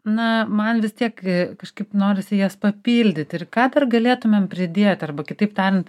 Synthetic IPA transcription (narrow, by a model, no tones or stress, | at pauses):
nɐmɐnʋʲɪst̪ʲiɛkkɐʃkɐɪpnoːɾʲɪsʲɪjuɛspɐpʲiːlʲd̪ʲɪt̪ɪrkɑːd̪ɐrɡɐlʲeːt̪ʊmʲɛmpʲɾʲɪd̪ʲeːt̪ʲɐrbɐkʲɪt̪ɐɪpt̪ɑːɾʲɛnt̪